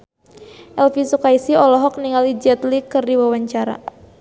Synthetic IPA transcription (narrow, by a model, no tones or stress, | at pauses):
ʔɛlfisukaisiɔlɔɦɔk̚niŋalid͡ʒɛt̪likɨrdiwawaɲt͡ʃaɾa̰